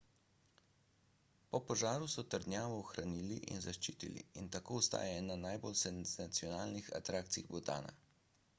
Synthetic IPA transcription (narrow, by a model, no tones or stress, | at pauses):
pɔpɔʒaːɾusɔt̪əɾd̪njaːʋɔːxɾaniːliʔḭnzaʃt͡ʃiːt̪ḭlḭint̪akoːust̪a̰ːjaɛnanajbolsɛnzat̪siɔnaːlnixa̰t̪ɾaːkt̪siiɣbɔt̪a̰ːna̰